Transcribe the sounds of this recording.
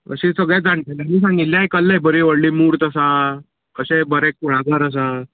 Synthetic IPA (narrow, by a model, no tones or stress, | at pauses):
ə̰ɕesəɡɭjad͡zaɳʈaljaniːs̬ãŋɡit̪ljãɦekəlːebəɾiʋəɽlimuːɾt̪əsa | əɕẽbəɾɛk̚kuɽ̃aɡʱəɾəs̬a